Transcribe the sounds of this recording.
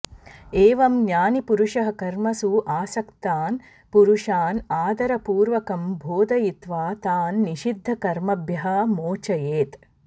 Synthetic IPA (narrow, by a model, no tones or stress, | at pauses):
eːʋɐmnjaːnipuɾuʂɐɦɐ̆kɐɾmɐsuʔaːsɐkt̪aːn | puɾuʂaːnaːd̪ɐɾɐpuːɾʋɐkɐmbʱoːd̪ɐjit̪ʋaːt̪aːnːiʃid̪ʱːɐkɐɾmɐbʱjɐɦɐ̆moːt͡ʃɐjeːt̪